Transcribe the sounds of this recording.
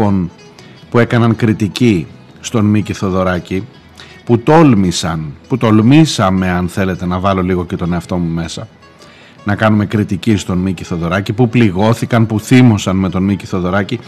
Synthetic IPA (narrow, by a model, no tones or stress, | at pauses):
o̞n | pue̞kɐnɐnkɾit̪ici | st̪o̞nmiciθo̞ðo̞ɾɐci | put̪o̞lmisɐnput̪o̞lmisɐme̞ɐnθe̞le̞t̪e̞nɐvɐlo̞liɣo̞ce̞t̪o̞ne̞ɐft̪o̞mume̞sɐ | nɐkɐnume̞kɾit̪icist̪o̞nmiciθo̞ðo̞ɾɐcipupliɣo̞θikɐnpuθimo̞sɐnme̞t̪o̞nmiciθo̞ðo̞ɾɐci